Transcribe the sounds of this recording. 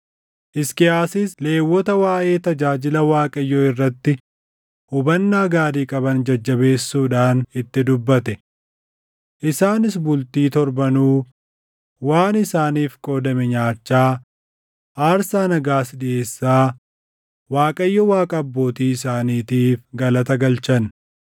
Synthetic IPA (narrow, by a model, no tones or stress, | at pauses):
ʔɪskɪaːsɪsle̞ːwːɔt̪ɐwaːʔe̞ːt̪ɐd͡ʒaːd͡ʒɪlɐwaːkʼɐjːɔɪrːɐt̪ːɪ | hʊbɐnːaːɡaːɾiːkʼɐbɐnd͡ʒɐd͡ʒːɐbe̞ːsːuːᶑaːnɪt̪ːɪd̪ʊbːɐt̪ɛ | ʔɪsaːnɪs̬bʊlt̪iːt̪ɔɾbɐnuː | waːnɪsaːniːfkʼo̞ːd̪ɐmɛɲaːt͡ʃːaː | ʔaːɾsaːnɐɡaːsɗɪʔe̞ːsːaː | waːkʼɐjːɔwaːkʼɐːbːo̞ːt̪iːɪsaːniːt̪iːfɡɐlɐt̪ɐɡɐlt͡ʃɐn